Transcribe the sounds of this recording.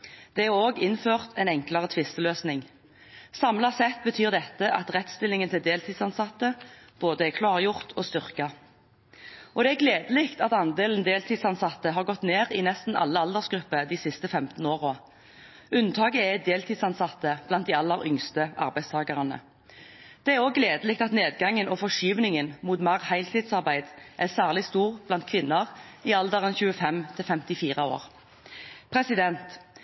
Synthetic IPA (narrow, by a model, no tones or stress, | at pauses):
d̪̥ɛæʁoːɡɪnføːʁt̪ʰɛɪnɛŋklɑʁət̪ʰʋɪst̪əløːsnɪŋ | sɑmlɑsɛt̪̚bət̪ʰyːʁd̪ɛt̪ːəʔɑt̪ʁɛt̪st̪ɪlːɪŋənt̪ʰɪld̪eːlt̪ʰiːd̪sɑnsɑt̪ːəb̥oːd̪əɛkʰlɑːʁjʊʁt̪ʰoːst̪ʏʁkɑ | ʔɔd̪ɛɛɡleːd̪əlɪkt̪ɑt̪ɑnd̪eːln̩d̪eːlt̪ʰiːd̪sɑnsɑt̪ːəɦɑʁɡɔt̪neːʁinɛst̪n̩ʔɑ̰lːəɑld̪əʁsɡɾʁʉpːəd̪iːsɪst̪əfɛmt̪n̩oːʁoː | ʉnt̪ʰɑːɡəɛd̪eːlt̪ʰiːd̪sɑnsɑt̪ːəb̥lɑnt̪̚d̪ɪɑlːəʁʏŋst̪əʔɑ̰ʁbæɪst̪ʰɑːɡəʁɑnə̰ | d̪̥ɛæʁoːɡleːd̪əlɪk̚t̪ɑt̪neːd̪ɡɑŋənɔfɔʃyːʋnɪŋənmuːt̪mɑʁhæɪlt̪ʰid̪sɑʁbæɪd̪ʔæsæːʁlɪst̪uːʁb̥lɑnt̪kʰʋɪnːəʁiːɑld̪əʁənçʉːəfɛmt̪ʰɪlfɛmt̪ɪfiːʁəo̰ːʁ | pʰʁɛsɪd̪ɛnt̪